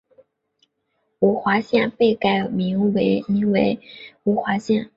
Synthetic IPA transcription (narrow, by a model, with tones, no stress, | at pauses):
u˧˥xwa˧˥ɕjɛ˥˧npe˥˩ɪka˥˩ɪmi˧˥ŋwe˧˥ɪni˧˥ŋwe˧˥ɪu˧˥xwa˧˥ɕjɛ˥˩n